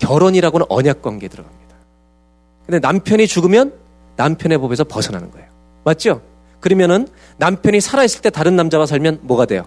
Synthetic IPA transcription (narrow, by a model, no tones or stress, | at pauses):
kjʌɾoɲiɾaɡonɯnʌ̰ɲak̚k͈waŋɡedɯɾʌɡamɲid̥ḁ | kɯndenampʰjʌɲit͡ɕuɡɯmjʌnː | ampʰjʌne̞bobe̞sʰʌpʌsʰʌnɦanɯnɡʌ̰e̞jo | mat̚t͡ɕ͈o | kɯɾimjʌnɯnː | ampʰjʌɲisʰaɾaes͈ɯɭt͈e̞taɾɯnːamd͡ʑabas̬ʰaɭmjʌnmwʌɡadwe̞jo̰